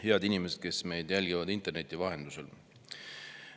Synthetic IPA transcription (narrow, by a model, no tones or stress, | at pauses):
he̞ɑd̪inimesed̪̚ke̞sme̞jd̪jælʲɡivɑd̪int̪ːˑe̞rne̞t̪ːˑivɑɦe̞nd̪̥usel